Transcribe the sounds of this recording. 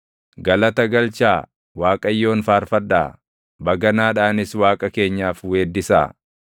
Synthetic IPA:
ɡɐlɐt̪ɐɡɐlt͡ʃaː | waːkʼɐjːo̞ːnfaːɾfɐd̪ːa̰ː | bɐɡɐnaːᶑaːnɪswaːkʼɐke̞ːɲːaːfweːd̪ːɪsa̰ː

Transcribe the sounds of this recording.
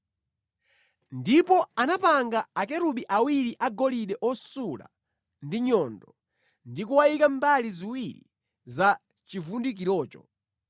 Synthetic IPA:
ndipɔanapaŋɡaːkɛɾuɓiʔawiɾiʔaɡɔliɗɛʔɔsula̰ | ndiɲɔndɔ | ndikuwajikambaliziwiɾḭ | za | t͡ʃivundik̬iɾɔːt͡ʃɔ

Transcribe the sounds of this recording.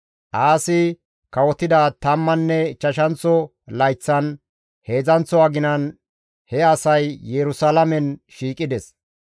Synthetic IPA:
ʔaːsɪ | kɐwɔt̪ːɪd̪ɐt̪ɐmːɐnːɛt͡ʃːɐʃɐnt͡sːɔ | lɐjt͡sːɐn | he̞ːzɐnt͡sːɔwaɡɪnɐn | hɛɐsɐjːɛɾʊsalɐmɛnʃiːkʼːɪd̪ɛs

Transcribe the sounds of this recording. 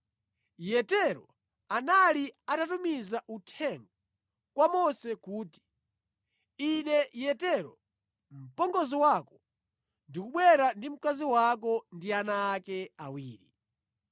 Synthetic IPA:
jɛtɛɾɔ | analiatatumizaʔutʰɛŋɡɔ | kwamɔsɛkuːti̥ | inɛjɛtɛɾɔ | m̩pɔŋɡɔziwakɔ̥ | ndikuɓwɛɾandim̩kaziwak̬ɔndianaːkɛawiːɾḭ

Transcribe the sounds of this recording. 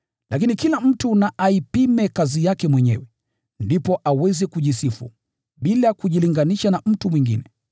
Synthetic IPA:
lakinikilam̩tunaʔaipimɛkazijakɛmwɛɲɛ̰wɛ | ndipɔʔawɛzɛkuʄisifṵ | ɓilakuʄiliŋɡaniʃanam̩tumwiŋɡḭnɛ

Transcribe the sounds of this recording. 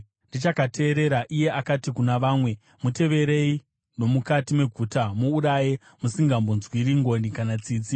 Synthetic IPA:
ndit͡ʃakatʰe̞ːɾe̞ɾaʔije̞ʔakatikunaʋaːmwe̞ | mute̞ʋe̞ɾe̞i | no̞mukatime̞ɡʱuːtamuːɾaje | musiŋɡambunzwiɾiŋɡo̞nikanat͡siːt͡si

